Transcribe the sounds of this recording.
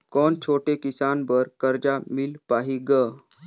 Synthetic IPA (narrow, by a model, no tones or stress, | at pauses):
kɔːnt͡ʃʰoːʈekisanbəɾkəɾd͡ʒamilpaɦiɡə